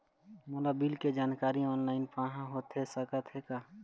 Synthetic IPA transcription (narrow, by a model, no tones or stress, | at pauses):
moːlabilked͡ʒaːnkaːɾiɔːnlaːɪnpãːɦãɦot̪ɦɛsəkət̪ɦɛkaː